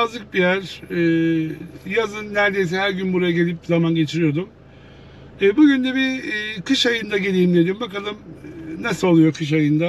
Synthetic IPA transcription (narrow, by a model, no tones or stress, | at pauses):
azlˠɯk̚bijæɾɛː | jazɯnːæɾd̪e̞js̬ɛɦæɾɟynbuɾajaɟe̞lʲip̚zamanɟe̞t͡ʃʰiɾijo̞d̪um | ɛːbuɟynd̪ɛbikʰɯʃajɯnd̪aɟe̞lʲiːimd̪ed̪imbakalˠɯmnasolˠujo̞kʰɯʃ̬ajɯnd̪a